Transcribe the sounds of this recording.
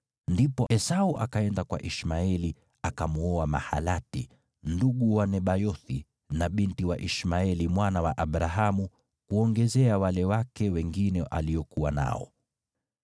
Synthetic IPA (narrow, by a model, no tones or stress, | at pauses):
ndipɔɛsauʔakaɛndakwa̰ʔiʃmaɛli | akamuɔama̰ha̰latḭ | nduɠuwanɛɓajɔθi | naɓintiwaʔiʃmaɛlimwanawaʔaɓɾaɦamu | kuɔŋɡɛzɛawalɛwakɛwɛŋɡinɛʔaliɔkuwana̰ɔ̰